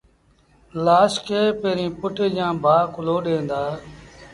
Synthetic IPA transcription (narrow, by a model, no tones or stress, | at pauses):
laːskeːpẽːɾĩːpʊʈejãːbʱaːkʊloːɗẽːnd̪aː